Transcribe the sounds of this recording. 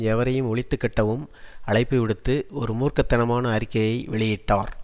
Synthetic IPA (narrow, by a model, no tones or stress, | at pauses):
ɛʋɐɾɐjɯmɔɭɪt̪ːɯkːɐʈːɐʋɯmɐɭɐɪpːɯʋɪɽɯt̪ːɯɔɾɯmuːrkɐt̪ːɐnɐmaːnɐːɾɪkːɐjɐɪʋɪɭɪjɪʈːaːɾ